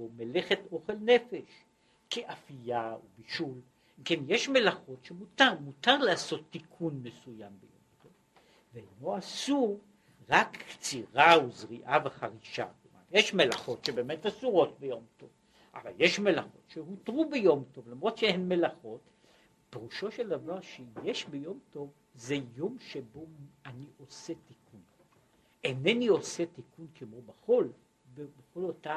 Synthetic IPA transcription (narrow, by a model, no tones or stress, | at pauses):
omeleχeto̞χe̞lnefe̞ʃ | keʔafijaubiʃul | imke̞njeʃme̞laχo̞tʃemutaʁmutaʁleaso̞t̪ːikʰunme̞sujambejo̞̰mtov | veeno̞asuʁ | ʁakːt͡siʁauzʁiʔaveχaʁiʃa̰komanjeʃme̞laχo̞tʃebeːme̞tasuʁo̞t̚bejo̞mto̞v | ʔa̰va̰ljeʃme̞laχo̞̰tʃehutʁubejo̞mto̞vlamʁo̞dʃeenmelaχot | peʁuʃo̞ʃeldavaʁʃejeʃbejo̞mto̞v | zejo̞mʃebo̞aniʔo̞setikun | ʔenenio̞setikunkemobaχo̞l | bebeχo̞lota